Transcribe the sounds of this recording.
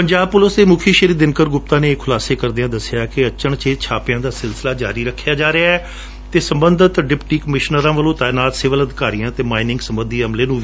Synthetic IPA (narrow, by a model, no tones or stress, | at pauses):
pəɲd͡ʒaːb̚pʊləsd̪eːmʊːkʰiːʃəɾiːd̪ɪnkəɾɡʊp̚t̪ãːneːkʰʊlaːseːkəɾd̪eãːd̪əsɪjaːkɪət͡ʃəɳt͡ʃeːt͡ʃʰaːpɪjãːd̪aːsɪlsəlaːd͡ʒaːɾiːɾəkʰːjaːd͡ʒaːɾeaːɛː | t̪eːsəmbənd̪ʱət̪ɖɪpʈiːkəmɪʃnəɾãːʋəlõːt̪aːjnaːt̪sɪʋələd̪ɪkaːɾiːãːt̪eːmaːɪnɪ̃ŋɡsəmbənd̪ʱiːəmleːnũː